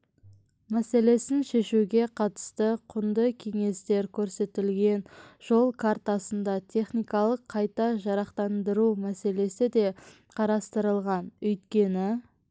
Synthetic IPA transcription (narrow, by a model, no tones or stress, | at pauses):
mæse̞le̞sɪnʃe̞ʃuɡʲe̞qʰɑt̪ə̥st̪əqʰʊnd̪əkʲʰe̞ŋe̞st̪e̞ɾkʲʰɵɾse̞t̪ɪlɡʲe̞nʒ̥o̞lˠkʰaɾt̪asənd̪ɑt̪ʰe̞χnijkɑlˠəqʰːɑjt̪ɑʒɑɾɑqt̪ɑnd̪əɾumæse̞le̞sɪd̪e̞ | qʰɑɾɑst̪əɾəlˠʁɑnɵjt̪kʲe̞nɪ